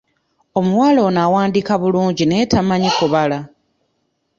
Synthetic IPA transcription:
o̞muwaːlo̞ːnaːwaːndikaβuluːɲɟine̞ːtamaɲikuβala

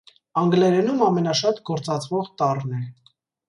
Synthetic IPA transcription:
ɑŋɡlɛɾɛnumɑmɛnɑʃɑt̪ɡɔɾt͡sɑt͡sʰvɔʁt̪ɑrnɛ

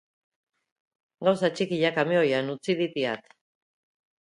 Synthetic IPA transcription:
ɡawsat͡ʃikiʎakameo̞janut͡siðit̪iat̪

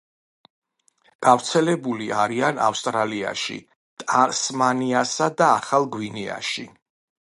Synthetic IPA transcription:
ɡ̥avɾt̪sʰɛlɛbuliaɾiana̰fst̪ʼɾalia̰ʃḭ | t̪ʼasmaniasad̪aːχalˠɡwinia̰ʃi

